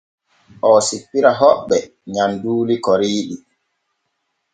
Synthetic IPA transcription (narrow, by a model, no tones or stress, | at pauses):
ʔɔːsipːiɾaɦɔɓːɛ | ɲanduːlikɔɾiːɗi